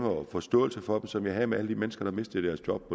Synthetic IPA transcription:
ŋɐɒfɒ̽sd̥ɔ̰̽ːl̩səfɒ̽d̥em̩sɒ̽mjɑ̈ɪɦɛmeæləd̥imenəsɡ̥ɐɾ̥ɑ̈me̝sd̥ðˠd̥æɐsjɒ̽b̥̚pɒ

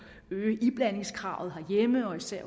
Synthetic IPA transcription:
øːʔib̥læne̝ŋskʰʁɑ̈ːʊð̞̩ˠɦɑ̈jeməɒ̽isæɐ̰

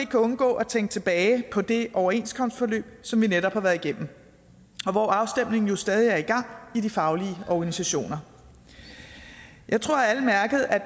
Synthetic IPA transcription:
e̝ɡ̥̚kʰæɔ̽nɡ̥ɔ̰̽ːʔɒ̽t͡sʰeŋɡ̥̚t͡sʰe̝b̥ɛːɪpʰɒ̽d̥e̝ʔɒʊɐe̝nskʰɒ̽msd̥fɒ̽lø̰ːb̥sɒ̽mʋineɾɒ̽b̥hɑ̈ʋæːɐðˠiɡ̥em̰m̩ | ɒ̽ʋɒːɑ̈ʊsd̥em̰ne̝ŋn̩jo̝sd̥ɛːð̞ˠiæɐiɡ̥ɑ̈ŋ̰idifɑ̈ʊliəɒɡ̥ænisæɕo̝̰ːnɐ | jɑ̈ɪt͡sʰʁo̝ɐ̰æləmæɐɡ̥əð̞̩ˠæ

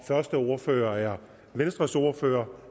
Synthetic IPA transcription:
fɶɐsd̥əoɐfø̰ːɐæɐ | ʋensd̥ʁɐsoɐfø̰ːɐ

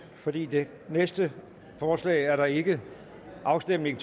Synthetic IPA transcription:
fɒ̽d̥ḭːd̥e̝ | nesd̥ə | fɒːslɛ̰ːɪæɐɾɑ̈e̝ɡ̥ə | ʔɑ̈ʊsd̥em̰ne̝ŋt͡sʰ

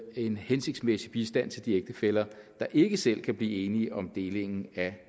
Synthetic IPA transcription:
e̝nhense̝ɡ̥̚d̥smesib̥isd̥æn̰t͡sʰe̝ld̥ieɡ̥̚d̥əfel̰ɐ | d̥ɑ̈ʔe̝ɡ̥əsel̰kʰæb̥liːe̝ːniʔɒ̽md̥e̝ːle̝ŋn̩æ

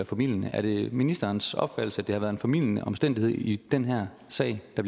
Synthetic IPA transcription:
æfæmil̰jənəʔæɐɾ̥e̝minisd̥ɐːnsɒ̽b̥fæd̥l̩səæd̥ehɑʋæːɐðˠenfæmil̰jənə̰ʔɒ̽msd̥endihe̝ð̞̰ˠid̥enɦæɐ̰ | sɛ̰ɪ̰d̥ɑb̥l

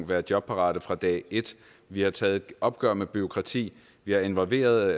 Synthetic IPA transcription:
ŋʋæːɐ̥jɒ̽b̥̚pʰɑ̈ʁɑ̰̈ːd̥əfʁɑ̈d̥ɛ̰ːe̝d̥ | ʋihɑ̈t͡sʰɛːð̞̩ˠʔɒ̽b̥̚ɡ̥ɶɐ̰meb̥yo̝kʰʁɑ̈t͡sʰḭː | ʋihɑ̈e̝nʋɒ̽lʋe̝̰ːɐðˠ

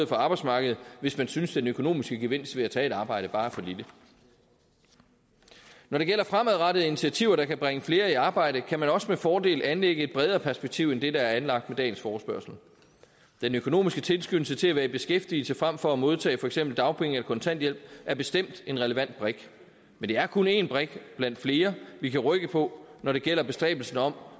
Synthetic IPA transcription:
ɔð̩ˠfɒ̽ɑ̈ːb̥ɑ̈ɪsmɑ̈ːɡ̥əð̩ˠʋe̝smænsynsd̥enøkʰo̝no̝̰ːmisɡ̥əɡ̥e̝ʋe̝n̰sd̥ʋe̝æt͡sʰɛ̰ːe̝ɾɑ̈ːb̥ɑ̈ɪ̰ɾ̥əb̥ɑ̈ːfɒ̽lilə | nɒɾe̝ɡ̥el̰ɐfʁamæðˠʁɑɾəð̩ˠinit͡sʰiæt͡sʰiʊɐɾ̥ɑ̈kʰæb̥ʁaŋəfle̝ːɐiɑ̈ːb̥ɑ̈ɪ̰ɾ̥əkʰæmænɒ̽səmefɒːd̥e̝̰ːlænleɡ̥əe̝d̚b̥ʁɛð̞ˠɐːpʰæɐsb̥eɡ̥̚t͡sʰiʊ̰end̥e̝dɑ̈æɐænlɑ̈ɡ̥̚d̥med̥ɛ̰ːn̩sfɒːsb̥ɶɐsl̩ | d̥enøkʰo̝no̝̰ːmisɡ̥ət͡sʰe̝lsɡ̥ynl̩sət͡sʰe̝æʋæːɐb̥e̝sɡ̥efd̥il̩səfʁam̰fɒ̽æmo̝ð̞ˠt͡sʰɛ̰ːfɒ̽eɡ̥sem̰b̥l̩d̥ɑ̈ʊpʰeŋelɐkʰɒ̽nt͡sʰæn̰d̥jel̰b̥̚ʔæɐb̥e̝sd̥em̰d̥e̝nʁɛləʋæn̰d̥̚b̥ʁeɡ̥ | mend̥e̝æɐkʰo̝ne̝nb̥ʁeɡ̥b̥læn̰d̥fle̝ːɐʋikʰæʁœɡ̥əpʰɒ̽nɒɾ̥e̝ɡ̥el̰ɐb̥e̝sd̥ʁɛ̰ːb̥l̩sn̩ɒ̽m̰

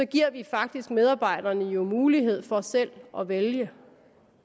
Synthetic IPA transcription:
sɒ̽ɡ̥iɐ̰ʋifɑ̈ɡ̥̚d̥isɡ̥með̞ˠɑ̈ːb̥ɑ̈ɪ̰d̥ɐnəjo̝muːliɦe̝ð̞̰ˠfɒ̽sel̰ʔɒ̽ʋeljə

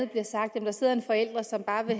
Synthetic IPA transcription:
ð̩ˠb̥liɐsɑ̈ɡ̥̚d̥jæm̩d̥ɑ̈se̝ð̰ˠɐe̝nfɒ̽el̰d̥ʁɐsɒ̽mb̥ɑ̈ːʋe̝

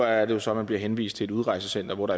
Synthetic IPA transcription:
ææɐd̥e̝jo̝sɒ̽mːænb̥liɐɦenʋḭːsd̥̚t͡sʰe̝e̝duðˠʁɑ̈ɪsəsen̰d̥ɐʋɒɾ̥ɑ̈

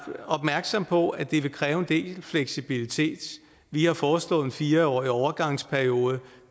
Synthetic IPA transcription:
ɒ̽b̥mæɐɡ̥sɒ̽m̰pʰɒ̽æd̥e̝ʋe̝kʰʁɛːʊe̝nd̥e̝̰ːlfleɡ̥sib̥ilit͡sʰe̝̰ːd̥ | ʋihɑ̈fɒːslɔ̽ːð̩ˠenfiːɐɒ̰ːiɒʊɐɡ̥ɑ̈ŋ̰spʰæɐio̝ːð̞̩ˠə

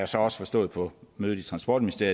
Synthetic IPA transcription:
jasɒ̽ɒ̽sə̥fɒ̽sd̥ɔ̰ːð̞̩ˠpʰɒ̽møːð̩ˠit͡sʰʁɑ̈nsb̥ɒ̰ːd̥minisd̥ḛɐ

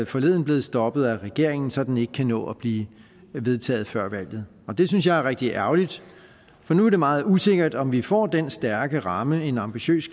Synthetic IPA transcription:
fɒ̽le̝ð̰ˠn̩b̥le̝ːð̩ˠsd̥ɒ̽b̥ð̞̩ˠæʁɛɡ̥e̝ɐ̰e̝ŋn̩sɒ̽d̥n̩e̝ɡ̥əkʰænɔ̰̽ːæb̥liː | ʋe̝ð̞ˠt͡sʰɛ̰ːð̞̩ˠfɶɐ̰ʋæl̰ð̞̩ˠ | ɒ̽d̥e̝synsjɑ̈ɪæɐʁɛɡ̥̚d̥iʔæɐʊlid̥ | fɒ̽nuæɐd̥e̝mɑ̈ːð̩ˠuse̝ɡ̥ɐd̥ɒ̽mʋifɒ̰ːd̥ensd̥æɐɡ̥əʁɑ̈məe̝nɑ̈mb̥iɕø̰ːs

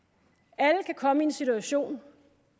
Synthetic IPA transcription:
æləkʰækʰɒ̽məie̝nsit͡suæɕo̝̰ːn

